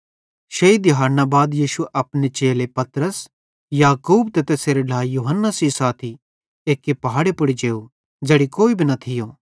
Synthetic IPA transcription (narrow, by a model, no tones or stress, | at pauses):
ʃeid̪ɪɦaːɾnabaːd̪jiːʃuʔɐpnet͡ʃeːlepɐt̪ɾəs | jaːkuːbt̪ɐt̪eseːɾeɖʱaːjuːɦənːasisaːt̪ʰi | eːkːepɐɦaːɽepʊɽid͡ʒeːu | d͡ʒeɽikoːibʱinɐt̪ʰɪjoː